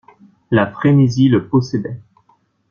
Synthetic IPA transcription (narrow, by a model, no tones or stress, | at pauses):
lafχeniziləpɔsɛd̪ɛ